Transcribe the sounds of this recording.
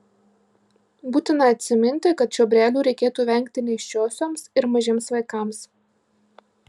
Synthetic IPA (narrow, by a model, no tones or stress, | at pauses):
buːt̪ʲɪnɐɐt̪ʲsʲɪmʲɪnʲt̪ʲɪkɐt̪ʃʲuːbʲɾʲæːlʲuːɾʲɛɪkʲeːt̪uːʋʲɛˑŋʲˑkt̪ʲɪnʲɛɪʃʲt͡ʃʲoːsʲoːmsɪɾmɐʒʲeːmsʋɐɪkɑˑms